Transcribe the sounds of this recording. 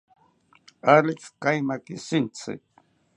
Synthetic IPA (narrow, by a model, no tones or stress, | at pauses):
alɪkkajmakɪsɪnt͡sɪ̰k